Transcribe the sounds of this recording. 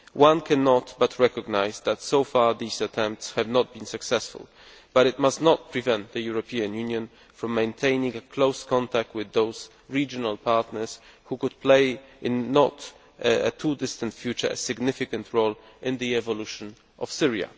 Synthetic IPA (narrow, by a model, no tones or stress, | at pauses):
wʔãnkʰɛnɔtbatʰɹɛkɔɡnaɪzðætsoʊfɑɹðizətʰɛ̃mp̚tshɛvnɔt̪̚bĩnsɨksɛsfʊ̰lˠ | b̥aɾɨt̪̚mastnɔt̚pɹivɛ̃nt̪̚ðɨjuɹɔpʰiãnjũnjɔ̃n | fɹɔ̃mːẽɪ̃ntʰẽɪ̃nĩŋəkʰloʊskʰɔ̃ntʰak̚twɨðoʊz̥ | ɹid͡ʒɔnalˠpʰaɹtnə˞shukʊd̪̚pʰleɪʔɪ̃nːɔt | ə̰tʰudɪst̪ə̃ntfjut͡ʃə˞ə̰sɨɡnɪfɪkãntʰɹoʊl | ʔɪ̃nðiɛvɔluʃɔ̃n | ʔɔ̰v̥sɪɹia̰